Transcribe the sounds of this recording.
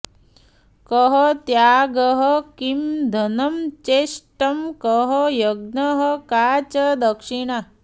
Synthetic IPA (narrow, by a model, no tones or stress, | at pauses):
kəɦət̪jaːɡəɦəkimd̪ʱɐnɐmt͡ʃeːʂʈɐmkəɦɐjɐɡnɐɦɐkaːt͡ʃɐd̪ɐkʂiɳa